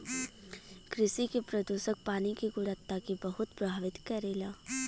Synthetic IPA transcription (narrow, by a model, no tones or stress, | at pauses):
kɾɪsikepɾɐd̪uːʃək̚paːnikiɡʊɾət̪ːakibɐɦʊt̪pɾɐbʱaːʋɪt̪kɐɾeːlaː